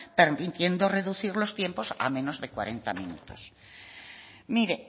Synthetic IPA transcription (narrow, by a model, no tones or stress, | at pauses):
peɾmit̪je̞nd̪o̞re̞ðuθiɾlo̞st̪je̞mpo̞sa̰mẽ̞no̞zðe̞kwa̰ɾe̞nt̪amḭ̃nṵt̪o̞s | miɾe